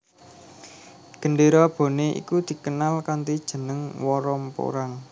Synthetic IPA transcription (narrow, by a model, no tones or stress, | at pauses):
ɡ̥ə̤nɖeɾɔb̥o̤neʔḭkud̪̥i̤kənalkant̪id̥ʒ̥ə̤nəŋwɔɾɔmpo̰ɾaŋ